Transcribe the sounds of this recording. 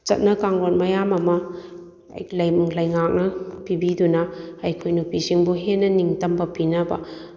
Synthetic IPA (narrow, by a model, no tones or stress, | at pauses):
t͡ʃɐ̰t̚nɐkaŋɡonmɐjamɐmɐ | ɐ̰jlɐjmuŋlɐjŋak̚nɐpibidunɐːjkʰojnupisiŋbuɦenɐniŋtɐmbɐpinɐbɐ̰